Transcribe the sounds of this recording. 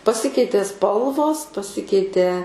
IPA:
pɐˈsʲɪkʲɛɪtʲeː ˈspɐlˠʋoːs pɐˈsʲɪkʲɛɪtʲeː

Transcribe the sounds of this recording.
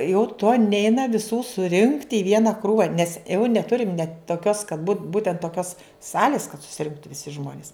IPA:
jɛʊ toː ˈnʲɛɪnɐ ʋʲɪˈsuː sʊˈrʲɪŋkt ɪ ˈʋʲiɛnɐ ˈkruːʋɐ nʲɛs ɛʊ nʲɛˈtʊrʲɪm nʲɛt toːˈkʲoːs kɐt bʊ ˈbuːtʲɛnt toːˈkʲoːs ˈsɑːlʲɪs kɐt sʊsʲɪˈrʲɪŋktʊ ʋʲɪˈsʲɪ ˈʒmoːnʲɪs

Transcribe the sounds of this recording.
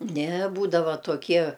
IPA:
nʲɛ ˈbuːdɐʋɐ toːˈkʲiɛ

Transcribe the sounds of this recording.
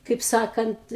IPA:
kɐɪp ˈsɑːkɐnt

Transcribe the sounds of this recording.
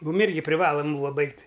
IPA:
ˈmuːm ˈɪrʲɡʲɪ pʲrʲɪˈʋɑːlˠɐm ˈbuːʋɐ ˈbɐɪktʲ

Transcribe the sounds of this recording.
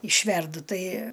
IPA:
ɪʃʲˈʋʲɛrdʊ ˈtɐɪ

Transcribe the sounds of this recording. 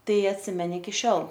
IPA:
ˈtɐɪ ɐtʲˈsʲɪmʲɛnʲɪ ɪkʲɪ ˈʃʲoːlˠ

